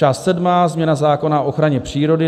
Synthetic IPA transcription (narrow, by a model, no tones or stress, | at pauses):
aːst̪sɛdmaːzmɲɛnazaːko̞naoʔoxɾaɲɛpr̝̥iːɾo̞dɪ